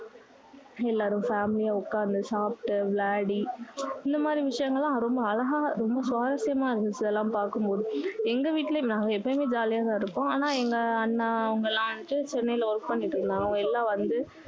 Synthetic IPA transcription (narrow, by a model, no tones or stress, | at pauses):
ɛlːaːɾɯ̃mfaːmɪlɪjaːʊkːaːɾnd̪ɯsaːpʈɯʋlaːɽiɪnd̪ɐmaːd̪ɾiʋɪʂɐjɐŋɡɐɭːãːɾɔmbɐːlɐɣaːɾɔmbɐsʋaːɾɐsɪjɐmaːɪɾɯnːt͡ʃːɐðɛlːãːpaːɾkɯmpoːðɯ̃ɛŋɡɐʋiːʈːlɐnãːŋɡɐɛpːɐmeːd͡ʒaːlɪjaːt̪ãːɪɾɯpːõaːnaːɛŋɡɐːnːɐʊŋɡɐɛlːãːʋɐnːɯʈːɯt͡ʃɛnːɐɪɪlɐʋɔɾkpɐɳːɪʈːɾɯnd̪ãːŋɐ̃ɛlːãːʋɐnd̪ɯ